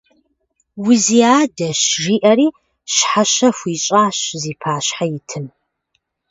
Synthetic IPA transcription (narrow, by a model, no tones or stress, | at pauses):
wiziaːdɐɕʒiːʔɐɾiː | ɕħaɕɐfʷiːɕʼaːɕziːpʰaːɕħajɪtʰɨm